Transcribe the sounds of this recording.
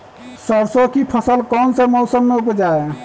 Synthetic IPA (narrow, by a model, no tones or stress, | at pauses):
səɾsokipʰəsəlkɔnsəmosəmːeupd͡ʒae